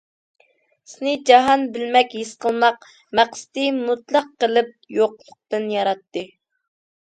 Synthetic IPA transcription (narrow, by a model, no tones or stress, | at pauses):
sɪnɪd͡ʒɑɦɑnbɪlmɛkʲhisqəlˠmɑq | mæqsɪ̥t̪ɪmut̪lˠɑqːəlˠɪp̚joqlˠʊq̚t̪ɨnjɑɾɑt̪ːɨ